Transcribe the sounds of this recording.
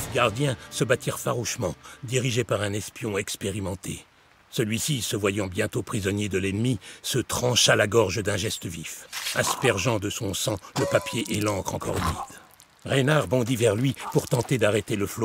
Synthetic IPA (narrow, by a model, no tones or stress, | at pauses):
fɡaʁd̪jɛ̃səbat̪iʁfaʁuʃmɑ̃d̪iʁiʒepaʁɛ̃nɛspjɔ̃ɛkspeʁimɑ̃t̪ʰe | səlɥisisəvwajɑ̃bjɛ̃t̪opχizɔnjed̪əlɛnmisət̪χɑ̃ʃalaɡɔʁʒəd̪ɛ̃ʒɛst̪əvifaspɛʁʒɑ̃d̪əsɔ̃sɑ̃ləpapjeʔelɑ̃kχɑ̃kɔ̰ʁymid̪̥ | ʁenaʁbɔ̃d̪ivɛʁlɥipuʁt̪ɑ̃t̪ed̪aʁet̪eləflo